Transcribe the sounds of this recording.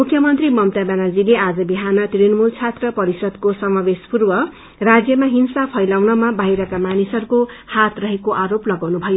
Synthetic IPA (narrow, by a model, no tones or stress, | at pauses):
mukʰjʌmʌnt̪rimʌmt̪abanald͡zilead͡zʌbiɦanʌt̪ɾinmult͡sʰat̪rʌpʌɾisʌd̪kosʌmabespurbʌ | rad͡zjʌmaɦinsapʰʌjlawnʌmabaɦiɾʌkamanisʌɾukohat̪rʌɦekoʔaɾoplʌɡawnubʱʌjo